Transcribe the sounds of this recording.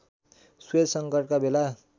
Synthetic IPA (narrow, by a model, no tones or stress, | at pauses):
swed̪sʌŋkʌrʈkabela